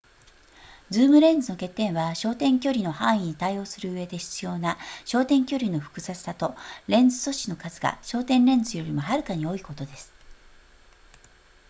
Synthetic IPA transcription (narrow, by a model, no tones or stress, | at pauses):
d͡zɨːmɯ̟ɾẽ̞nd͡zɨno̞ke̞t̪ːẽ̞ɰ̃βaɕo̞ːt̪ẽ̞ŋkʲo̞ɾʲino̞hãɰ̃ĩɲ̟it̪aio̞ːsɨɾɯ̟ɯβe̞d̪e̞ɕi̥t͡sɨjo̞ːnaɕo̞ːt̪ẽ̞ŋkʲo̞ɾʲino̞ɸɯ̟̥kɯ̟zat͡sɨ̥sat̪o̞ɾẽ̞nd͡zɨso̞ɕino̞kazɨɡa̰ɕo̞ːt̪ẽ̞nɾẽ̞nd͡zɨjo̞ɾʲimo̞ɦaɾɯ̟kaɲ̟io̞iko̞t̪o̞d̪e̞sɨ̥